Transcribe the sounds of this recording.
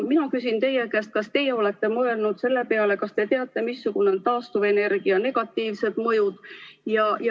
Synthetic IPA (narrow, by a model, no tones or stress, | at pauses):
minɑkysʲint̪e̞jekest̪̚kɑst̪e̞jeo̞le̞t̪ːˑe̞mɤe̞lnud̪̥se̞lːe̞pe̞ɑle̞kɑst̪e̞t̪eɑt̪ːˑe̞misːuɡ̥une̞ont̪ɑːst̪uve̞ne̞rɡ̥iɑne̞ɡ̥ɑt̪ːˑiːvse̞d̪̥mɤ̞jud̪̥jɑj